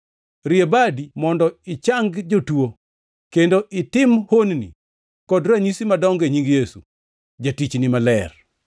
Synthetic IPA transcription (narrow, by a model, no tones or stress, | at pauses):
ɾɪebadimɔndɔɪt͡ʃaŋɡd͡ʒotuo | kendoʔɪtɪmhonnḭ | kɔdɾaɲisimadɔŋɡeɲiŋɡjesṵ | d͡ʒatit͡ʃnɪmalɛr